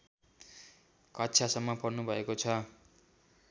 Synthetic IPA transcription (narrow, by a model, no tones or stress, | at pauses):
kʌtːt͡sʰasʌmːʌpʌrnubʱʌekot͡sʰʌ